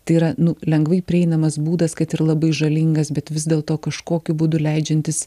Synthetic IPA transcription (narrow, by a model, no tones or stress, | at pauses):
t̪ɐɪiɾɐnʊlʲɛŋɡʋɐɪpʲɾʲɪɛɪnɐmɐsbuːd̪ɐskɐt̪ɪɾlˠɐbɐɪʒɐlʲɪŋɡɐsbʲɛt̪ʋʲɪzd̪ʲeːlˠt̪oːkɐʃkoːkʲʊbʊd̪ʊlʲɛɪd͡ʒʲɛnʲt̪ʲɪs